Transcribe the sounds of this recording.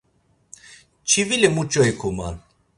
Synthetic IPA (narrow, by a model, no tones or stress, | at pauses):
t͡ʃʰivilɛmut͡ʃʼɔjkʰuma̰n